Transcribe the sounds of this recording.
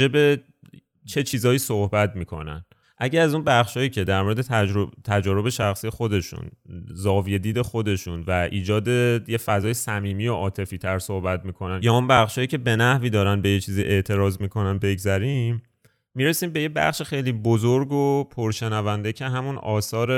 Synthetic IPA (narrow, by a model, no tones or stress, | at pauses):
ebe̞ | t͡ʃʰe̞t͡ʃʰiːzɒːjiːsohbæt̪miːkʰo̞̰næ̰n | ʔæɟææzunbæχʃhɒːjiːcʰe̞d̪æɾmoɾed̪et̪ʰæɾot̪ʰæd͡ʒɒːɾo̞be̞ʃæxsiːje̞xo̞d̪e̞ʃṵnzɒːvije̞d̪iːd̪e̞xo̞d̪e̞ʃunvæʔiːd͡ʒɒːd̪e̞jefæzɒːjesæmiːmijoʔɒːt̪ʰe̞fiːt̪ʰæɾsohbæt̪̚miːkʰo̞nænjɒːunbæχʃhɒːjiːcʰe̞be̞næhviːd̪ɒːɾænbe̞jet͡ʃʰiːziʔe̞ʔt̪ʰe̞ɾɒːzmikʰo̞nænbe̞ɟzæɾimː | iːɾe̞siːmbe̞jebæ̰χʃexe̞jliːbozoɾɡopʰoɾʃe̞nævænd̪e̞cʰe̞ɦæmunɒːsɒːɾe